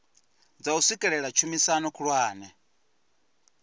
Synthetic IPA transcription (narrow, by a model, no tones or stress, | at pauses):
d͡zausikʼɛɺɛɺat͡ʃʰumisanukʰuɺwaːnɛ